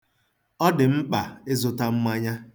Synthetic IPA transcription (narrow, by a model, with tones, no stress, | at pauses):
ɔ˦dɪ˨m̩˦k͡pa˨e˦zʊ˨ta˦ŋ͡m̩˦ma˦ɲa˦